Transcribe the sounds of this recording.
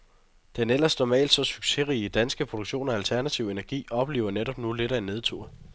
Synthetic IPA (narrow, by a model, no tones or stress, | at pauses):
d̥enel̰ɐsnɒmɛ̰ːld̥sɒ̽syɡ̥se̝ʁiəd̥ænsɡ̥əpʰʁo̝d̥oɡ̥ɕo̝̰ːnɒælt͡sʰæɐnæt͡sʰiʊe̝næɐɡ̥ḭːɒ̽b̥le̝̰ːʊɐneɾɒ̽b̥nule̝ɾæenːe̝ð̞ˠt͡sʰṵɐ